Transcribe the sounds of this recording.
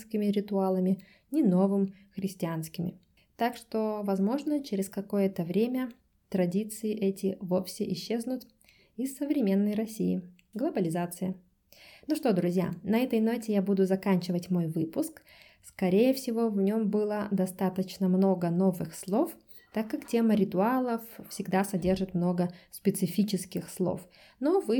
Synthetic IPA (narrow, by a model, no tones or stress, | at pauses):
skʲɪmʲɪɾʲɪt̪ʊalˠəmʲɪ | nʲɪno̞vɨm | xɾʲɪsʲtʲɪanskʲɪmʲɪ̰ | t̪akʂt̪o̞vɐzmo̞ʐnət͡ɕɪɾʲɪskɐko̞jət̪əvɾʲemʲə | t̪ɾɐdʲit̪sɨɪʔɛtʲɪvo̞fsʲɪʔɪɕːe̞znʊt̪ | ɪsːəvɾʲɪmʲe̞nːəjrɐsʲḭjɪ̰ | ɡlˠəbəlʲɪzat̪sɨjə | nuʂt̪o̞d̪ɾʊzʲja̰nɐɛt̪əjnotʲɪjabud̪ʊzɐkanʲt͡ɕɪvətʲmo̞jvɨpʊsk | skɐɾʲejəfsʲɪvo̞vnʲo̞mbɨlˠəd̪ɐst̪at̪ət͡ɕnəmnoɡəno̞vɨxslˠo̞f | t̪akːaktʲeməɾʲɪt̪ʊalˠəffsʲɪɡd̪asɐdʲe̞rʐɨt̪mno̞ɡəspʲɪt̪sɨfʲit͡ɕɪskʲɪxslˠo̰f | no̞vɨ